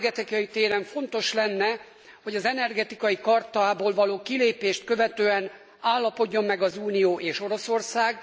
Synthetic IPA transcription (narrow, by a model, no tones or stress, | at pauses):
ɡɛt̪ikɒjit̪eːɾɛɱfo̞nt̪o̞ʃlɛnːɛ | ho̞ɟɒzɛnɛrɡɛt̪ikɒjikɒrt̪ɒːboːlvɒloːkileːpeːʃt̪̚kø̞vɛt̪øːɛn | aːlːɒpo̞ɟːo̞mːɛɡɒzuːnijoːʔeːʃoɾo̞so̞rsaːɡ